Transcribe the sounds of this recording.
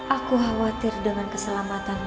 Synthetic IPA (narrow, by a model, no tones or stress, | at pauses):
ʔakuɦawat̪ɪrdəŋankəsəlamat̪an